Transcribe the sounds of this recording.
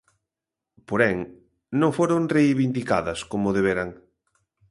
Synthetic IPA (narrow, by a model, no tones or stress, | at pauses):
poɾɛŋ | nõŋfoɾoŋrejβind̪ikaðɐskomʊðeβ̞eɾaŋ